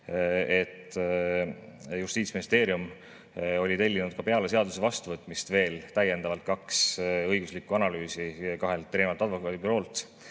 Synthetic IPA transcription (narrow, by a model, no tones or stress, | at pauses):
e̞t̪ː | just̪iːt̪sʲminist̪e̞ːɾium | o̞lʲit̪e̞lʲːinud̪̥̚kɑpe̞ɑles̬e̞ɑd̪̥usevɑst̪uvɤt̪ːˑmist̪ve̞ːlt̪æje̞nd̪ɑvɑlt̪̚kɑksɤjɡ̥uslikːˑuɑnɑlyːsikɑɦe̞lt̪ːɾe̞ːmɑlt̪ːˑɑd̪vo̞kˑɑːd̪ibyɾo̞ːlt̪